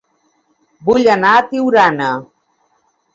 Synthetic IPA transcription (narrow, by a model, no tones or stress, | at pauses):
buʎanaːt̪iwɾana